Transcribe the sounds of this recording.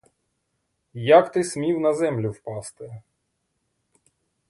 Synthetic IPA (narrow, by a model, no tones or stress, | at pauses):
jakt̪ɪsmʲiwnɐzɛmlʲʊwpɑst̪ɪ